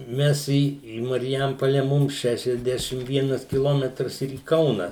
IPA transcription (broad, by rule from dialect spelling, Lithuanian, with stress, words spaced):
ˈmʲɛs iː iː mɐrʲˈjɛmpoːlʲɛ ˈmʊm ˌʃʲæːʃʲɛzʲˈdʲæːʃʲɪm ˈʋʲiɛnɐs kʲɪˈlˠoːmʲɛtrɐs ɪr iː ˈkɐʊnɐ